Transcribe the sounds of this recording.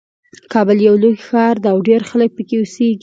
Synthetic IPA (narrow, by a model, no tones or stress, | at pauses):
kʰɑbəljawloɡxɑɾd̪ɑːwɖeɾxalək̚pəkeʊseɡ